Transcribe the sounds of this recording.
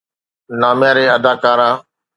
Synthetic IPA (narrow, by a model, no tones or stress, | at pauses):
naːmjãːɾeːəd̪aːkaːɾaː